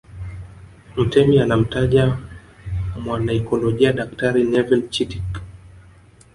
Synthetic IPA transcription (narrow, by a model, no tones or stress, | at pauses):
m̩tɛmianam̩taʄa | mwanaikɔlɔʄiaɗaktaɾinɛvɛlt͡ʃitik